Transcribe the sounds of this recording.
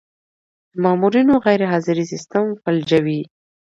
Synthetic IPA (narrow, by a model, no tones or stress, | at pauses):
d̪̥əmɑmuɾinoɣajɾɪɦɑzɪɾisɪst̪əmfald͡ʒawi